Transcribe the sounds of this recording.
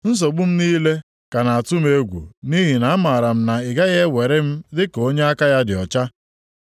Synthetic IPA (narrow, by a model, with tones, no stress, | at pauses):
n̩˦s̬o˨ɡ͡bʊ˦m̩˦niː˦le˦ | ka˨na˨a˨tʊ˦m˦e˦ɡʷṵ˨ni˦ɦi˨na˨a˦ma˨ɾa˨m̩˦na˨ɪ˨ɡa˦ɣe˦we˨ɾe˦m̩˦dɪ˦ko˦ɲe˦a˦ka˦ja˦dɪ˨ɔ˨t͡ʃa˦